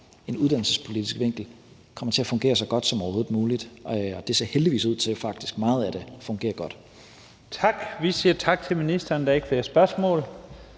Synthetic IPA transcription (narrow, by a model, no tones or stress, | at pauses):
e̝nuð̞ˠd̥æn̰l̩səspʰo̝lid̥ʰisɡ̥ʋeŋ̰ɡ̥l̩ | kʰɒ̽m̰ɐt͡sʰe̝æɐfɔ̽ŋɡ̥e̝̰ːɐsɒ̽ɡ̥ɒ̽d̥sɒ̽mɒho̝ːðð̩ˠmuːlid̥ɒ̽d̥e̝se̝ɐheldiʋḭːsuð̰ˠt͡sʰe̝lfɑ̈ɡ̥̚d̥isɡ̥mɑ̈ːð̞̩ˠæd̥e̝fɔ̽ŋɡ̥e̝̰ːɐɡ̥ɒ̽d̥ | t͡sʰɑ̈ɡ̥ʋisiːɐt͡sʰɑ̈ɡ̥̚t͡sʰe̝lminisd̥ɐnd̥æeɡ̥fleɐsb̥ɶɐsmɔ̰̽ːl